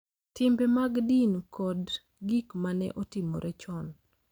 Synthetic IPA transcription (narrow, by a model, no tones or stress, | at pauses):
tɪmbɛmaɡdinkʰɔd | ɡikmanɛ̰ʔotɪmo̰ɾɛt͡ʃɔn